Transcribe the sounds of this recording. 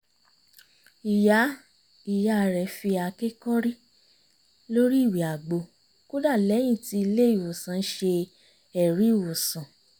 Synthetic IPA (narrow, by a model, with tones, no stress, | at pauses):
i˨ja˨˦ | i˨ja˨˧˨ɾɛ˨fi˧a˧ke˦kɔ˦ɾi˦ | lo˦ɾi˦i˦˨wi˨a˨ɡ͡bo˨˧ | ko˦da˦˨lɛ˨˦j̃ĩ˦˨ti˧i˧le˦i˦˨wo˨sã˨˦n̩˦ʃe˧ | ɛ˨ɾi˨˦˨wo˨sã˨